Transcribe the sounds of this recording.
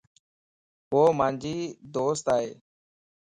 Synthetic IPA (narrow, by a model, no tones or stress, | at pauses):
ɦoːmaːnd͡ʒʱiːd̪oːst̪aːɦeː